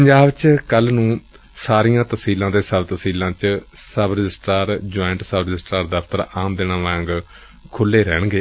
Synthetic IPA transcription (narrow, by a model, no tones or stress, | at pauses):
pəɲd͡ʒaːbt͡ʃkəlnũː | saːɾijãːt̪əsiːlãːt̪eːsəbt̪əsiːlãːt͡ʃsəbɾɪd͡ʒɪsʈaːɾd͡ʒoːɪɳʈsəbɾɪd͡ʒɪsʈɾaːɾd̪əft̪əɾaːmd̪enaːʋãːŋɡ | kʰʊlːeːɾɛːɳɡeː